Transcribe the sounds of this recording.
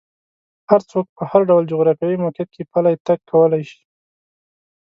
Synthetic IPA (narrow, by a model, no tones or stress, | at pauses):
haɾt͡sok̚pəhaɾɖawld͡ʒʊɣɾafjawimokɪt̪̚kʰepəlajet̪aɡ̚kʰːawəlajʃi̥